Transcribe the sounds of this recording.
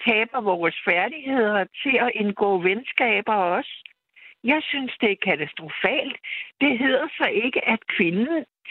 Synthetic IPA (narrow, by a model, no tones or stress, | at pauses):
t͡sʰɛːb̥ɐʋɒːsfæɐd̥ihe̝ð̞̰ˠɐt͡sʰe̝ɒ̽ʔe̝nɡ̥ɔ̰ːʋensɡ̥ɛ̰ːb̥ɐɒ̽sə | jɑ̈ɪsynsd̥e̝æɐkʰæt͡sʰæsd̥ʁo̝fɛ̰ːld̥d̥e̝ɦe̝ð̞̰ˠɐsɒ̽ʔe̝ɡ̥əʔæd̥kʰʋe̝nn̩